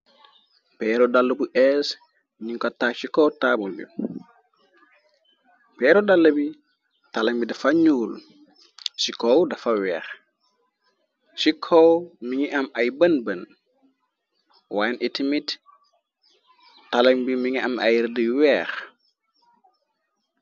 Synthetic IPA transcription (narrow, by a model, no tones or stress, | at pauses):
pɛːɾɔdalːəbuʔɛs | ɲiŋkɔtːaːsikɔwtaːbulbḭ | pɛːɾɔdalːɐbi | talɐŋbidɐfaɲuːl | sikɔwdɐfawɛːx | sikʰɔwmiŋiʔamajbɐnbən | waːjnʔitimit | talɐŋbimiŋiamʔa̰jɾdiwɛːx